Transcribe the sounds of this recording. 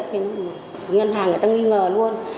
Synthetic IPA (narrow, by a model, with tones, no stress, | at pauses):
t̪̚ʰi˧˨n˧m˨˩˨ŋə˧nɦaː˨˩ŋː˨˩t̪aː˧ŋwi˧ŋəː˨˩lu˧ən